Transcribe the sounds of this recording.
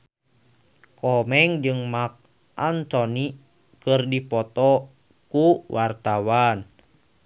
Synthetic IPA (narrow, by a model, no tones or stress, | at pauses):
kɔmɛŋd͡ʒɨŋmak̚ | ʔant̪ɔni | kɨrdipɔt̪ɔ | kuwʔart̪awan